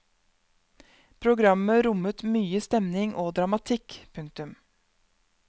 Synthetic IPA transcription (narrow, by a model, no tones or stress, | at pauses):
pʰɾʊɡɾɑməɾʊmət̪myːəst̪ɛmnɪŋʔoːd̪ɾɑmɑt̪ʰɪkpʰʉŋk̚t̪ʉm